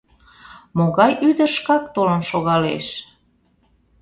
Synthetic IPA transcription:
moɣɑjʔyd̪əʃkɑk̚t̪olənʃoɣɑlḛʃ

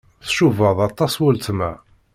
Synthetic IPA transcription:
θʃuvəðˤɑt̪ˤːɑswəlt̪mæ̰

